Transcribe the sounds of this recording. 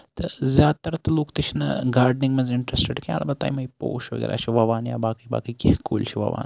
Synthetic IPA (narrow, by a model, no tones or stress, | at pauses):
t̪ɐzjaːt̪ɐɾt̪ɐloːkt̪it͡ʃʰinɐ̰ɡaːɾɖniŋɡmɐnzɪɳʈɾesʈeɖkia̰lʔabɐt̪a̰jmɐipo̰ːʃʋɐ̰ɡʲḛːɾʔa̰ːt͡ʃʰiʋɐʋaːnja̰ːbaːkijba̰ːkikikuːlt͡ʃʰiʋɐ̰ʋa̰ːn